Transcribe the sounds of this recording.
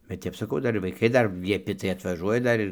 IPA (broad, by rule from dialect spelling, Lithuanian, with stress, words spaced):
bʲɛt ˈtʲɛp sɐˈkɐʊ ˈdɐr ɪr ʋɐɪˈkɐɪ ˈdɐr lʲiɛˈpʲɪ tɐɪ ɐtʋɐˈʒuɔjɛ ˈdɐr ɪr